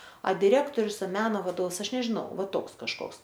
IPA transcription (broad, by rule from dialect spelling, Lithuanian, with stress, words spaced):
ɐ dʲɪˈrʲæːktoːrʲʊs ɐ ˈmʲæːnoː ʋɐˈdoːws ˈɐʃ nʲɛʒʲɪˈnɐʊ ˈʋɐ ˈtoːks kɐʃˈkoːks